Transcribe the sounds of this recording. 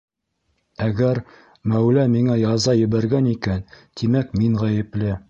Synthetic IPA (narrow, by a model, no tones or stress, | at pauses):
æɡæɾ | mæwlæmiŋæjɑzɑjɘ̆βæɾɡænikænt̪ʰimækmiɴʁæjɘ̆plɘ